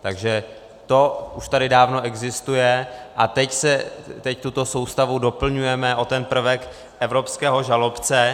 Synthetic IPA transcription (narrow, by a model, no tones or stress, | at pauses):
t̪aɡʒɛ | t̪o̞uʃt̪adɪdaːvno̞ʔɛɡzɪst̪ujɛʔat̪ɛcsɛt̪ɛct̪ut̪o̞so̞wst̪avudo̞pl̩ɲujɛmɛʔo̞t̪ɛnpr̩vɛk | ʔɛvɾo̞pskɛːɦo̞ʒalo̞pt͡sɛ